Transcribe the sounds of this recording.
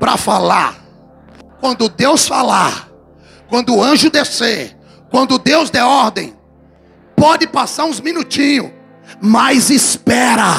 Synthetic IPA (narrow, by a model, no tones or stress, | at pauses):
pɾɐ̰falaɾ | kwɐ̃nd̪ʊd̪ewsfalaɾ | kwɐ̃nd̪ʊʊɐ̃ʒʊd̪eseɾ | kwɐ̃nd̪ʊd̪ewzd̪ɛɔɾd̪ẽj̃ | pɔd͡ʒɪpasaɾũzmĩnut͡ʃĩɲʊ | majzispɛɾɐ